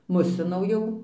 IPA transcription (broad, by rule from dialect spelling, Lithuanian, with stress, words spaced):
ˈmʊsʲɪnɐʊ ˈjɛʊ